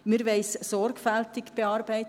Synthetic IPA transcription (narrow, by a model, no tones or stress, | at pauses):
mɪɾʋɛɪssɔɾkfæltɪkb̥eɑːɾbɛɪt